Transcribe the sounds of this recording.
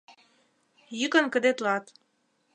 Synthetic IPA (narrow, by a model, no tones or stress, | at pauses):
jəkə̆nkə̆d̪et̪lɑt̪